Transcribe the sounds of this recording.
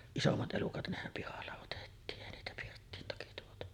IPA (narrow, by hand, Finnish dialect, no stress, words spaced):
isomːɑt ʔelukɑt nehæm pihɑlːɑ otetːiːn eˑi niːtæ pirtːiːn toki tuotu